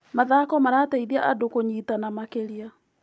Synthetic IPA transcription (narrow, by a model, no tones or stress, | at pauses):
maðakɔmaɾaːtaiðiaʔadokoɲiːtanamakeɾia